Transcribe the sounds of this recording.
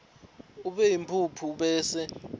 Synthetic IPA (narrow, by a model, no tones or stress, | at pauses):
uɓɛjimpʰupʰuɓɛːsɛ